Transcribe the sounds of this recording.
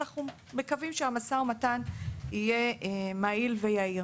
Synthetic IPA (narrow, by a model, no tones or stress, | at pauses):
aχnu | mekavimʃeamasaomatanije̞mailvejaiʁ